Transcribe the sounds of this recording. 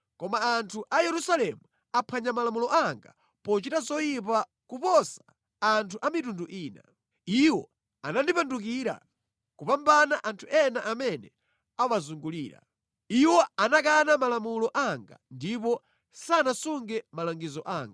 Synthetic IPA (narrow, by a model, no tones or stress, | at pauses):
kɔmaːntʰuʔajɛɾusalɛmu | apʰaɲamalamulɔʔaŋɡa̰ | pɔt͡ʃitazɔjip̬a | kupɔsḁː | ntʰuʔamitunduʔiːna̰ | iwɔ | a̰nandipanduk̬iɾa̰ | kupambanaʔantʰuʔɛnaʔamɛnɛ | awazuŋɡuliːɾa̰ | iwɔanakanamalamulɔʔaŋɡa̰ndip̬ɔ | sanasuŋɡɛmalaŋɡizɔʔaːŋɡa